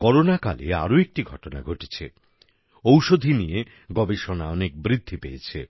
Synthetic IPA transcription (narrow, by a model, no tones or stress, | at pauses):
kɔɾonaka̰lḛa̰ɾoek̚ʈiɡʱɔʈona̰ɡʱoʈe̥t͡ɕʰḛ | owʃod̪ʱinije | ɡɔbeʃonaɔnek̚bɾid̪ʱːipeet͡ɕʰe